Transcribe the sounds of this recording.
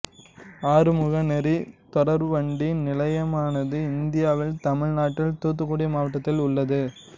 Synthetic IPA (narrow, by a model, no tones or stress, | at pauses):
aːɾɯmʊɣɐnɛɾit̪ɔɽɐɾʋɐɳɖinɪlɐjɐmaːnɐðɯɪnd̪ɪjaːʋɪlt̪ɐmɪɻnaːʈːɪlt̪uːt̪̬ːɯkːuːɽimaːʋɐʈːɐt̪ːɪlʊɭːɐðɯ